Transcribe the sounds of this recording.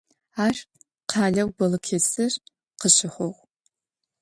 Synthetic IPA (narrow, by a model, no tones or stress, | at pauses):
aːr | qʰaːɮɐwɡʷɐlɨkʰet͡sɨr | qəɕɪħʷoʁʷ